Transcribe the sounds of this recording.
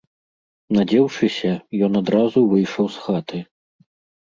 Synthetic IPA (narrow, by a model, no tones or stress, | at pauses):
nad͡zʲɛwʂɨsʲɐjɔnad̪ɾazuvɨjʂɐwsxat̪ɨ